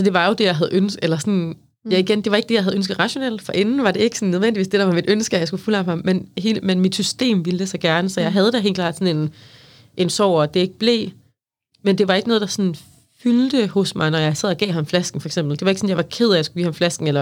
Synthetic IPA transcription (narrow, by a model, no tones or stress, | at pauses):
sɒ̽d̥e̝ʋɑ̈jo̝d̥e̝jɑ̈ɪɦæðˠønsɡ̥elɐsɔn | jɑiɡ̥end̥e̝ʋɑe̝ɡ̥əd̥e̝jäɦæð̞ˠønsɡ̥ð̩ˠʁɑɕo̝nel̰d̥fɒ̽ʔe̝nn̩ʋɑ̈de̝e̝ɡ̥əsɒn̩ːøð̞ˠʋendiʋḭːsd̥e̝̥ɑ̈ʋɑ̈mid̥ønsɡ̥əɒjɑ̈ɪsɡ̥ufulɒ̥mɑmenɦe̝̰ːmenmid̥sysd̥e̝̰ːmʋiləd̥e̝sɑɡ̥æɐnəsɒ̽jɑ̈ɪɦæð̞ˠəd̥æɦe̝̰ːlkʰlɑ̰ːd̥sɒ̽ne̝n | ʔe̝nsɒʊ̰ɒd̥e̝e̝ɡ̥əb̥le̝̰ː | mend̥e̝ʋɑ̈e̝ɡ̥nɔːðˠdɑsɔn | fyld̥əhɔsmɑ̈ɪnɒjɑ̈ɪsɛð̞̰ˠɒɡ̥ɛ̰ːɦɑ̈mflæsɡ̥n̩fɒeɡ̥sem̰b̥l̩d̥eʋɑ̈eɡ̥sɔ̽n̩jɑ̈ɪʋɑ̈kʰe̝ð̞̰ˠæjasɡ̥uɡ̥ḭːhɑmflæsɡ̥n̩elɐ